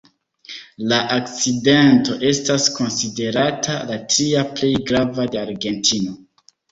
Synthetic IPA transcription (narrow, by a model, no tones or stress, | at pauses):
laʔak̚t͡side̞nto̞ʔe̞stasko̞nside̞ɾatʰalatɾiaple̞jɡɾavade̞aɾɡe̞ntino̞